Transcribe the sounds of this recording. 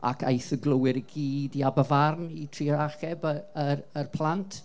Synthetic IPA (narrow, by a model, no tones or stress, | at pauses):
a̰kʰa̰jθəɡlˠəwɪɾəɡiːdiabəvarnitʰriːəɾaχɛbəərərpʰlˠantʰ